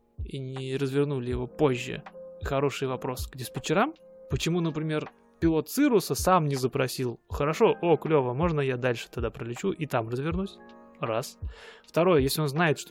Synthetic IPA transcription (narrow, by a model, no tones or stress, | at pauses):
inʲɪɾəzvʲɪrnulʲɪjɪvo̞po̞ʑːɪ̰xɐɾo̞ʂɨjvɐpɾo̞sɡdʲɪsʲpʲɪt͡ɕɪɾampət͡ɕɪmunəpɾʲɪmʲe̞r | pʲɪlˠo̞t̪sɨɾʊsəsamnʲɪzəpɾɐsʲilˠxəɾɐʂo̞ʔoklʲovəmo̞ʐnəjad̪alʲʂɨ̥t̪ad̪apɾəlʲɪt͡ɕuʔit̪amrəzvʲɪrnusʲ | rasft̪ɐɾo̞jəjesʲlʲɪo̞nznajɪt̪ʂt̪